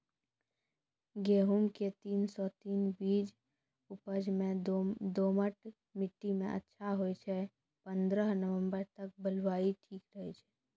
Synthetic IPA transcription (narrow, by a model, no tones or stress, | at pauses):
ɡeːɦʊmket̪iːnsɔt̪iːnbiːd͡ʒ | ʊpəd͡ʒmẽd̪oːməʈ | mɪʈːimḛ̃ʔə̰tːʃʰaɦoet͡ʃʰɛ | pə̃nd̪ɾəɦnəʋə̃mbəɾt̪ɐk̚bəlwaːiʈʰiːkɾəɦet͡ʃʰɛː